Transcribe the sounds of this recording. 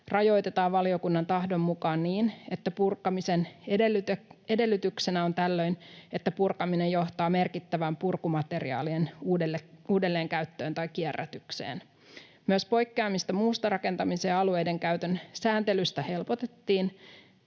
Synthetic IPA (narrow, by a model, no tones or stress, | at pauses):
rɑjo̞jt̪et̪ɑːʋʋɑlio̞kunːɑnt̪ɑhdo̞mːukɑːnniːnet̪ːæpurkːɑmiseneelːyt̪e̞de̞lːyt̪yksenæo̞nt̪ælːø̞jne̞t̪ːæpurkɑminejjo̞ht̪ɑːme̞rkit̪ːæʋæmpurkumɑt̪e̞rḭɑ̰ːlienuːdlːeuːde̞lːe̞ːŋkæyt̪ːø̞ːnt̪ɑjkːierːæ̰t̪ykse̞̰ːn | myøəspo̞jkːeɑmist̪ɑmuːst̪ɑɾɑke̞nt̪ɑmiseːɑlue̞jde̞ŋkæyt̪ønsæːnt̪e̞lyst̪æhe̞lpo̞t̪e̞t̪ːiːn